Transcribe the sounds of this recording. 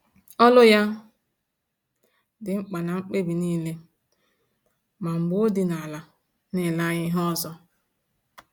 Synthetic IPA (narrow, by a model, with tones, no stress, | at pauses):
ɔ˦lʊ˦ja˦ | dɪ˨ŋ͡m̩˦k͡pa˨na˨ŋ͡m̩˦k͡pe˦bi˨niː˦le˦ | ma˨ŋ͡m̩˨ɡ͡bo˦di˨na˨la˨ | nɪ˨la˦ɲɪ˦ɦɔ˦zɔ˦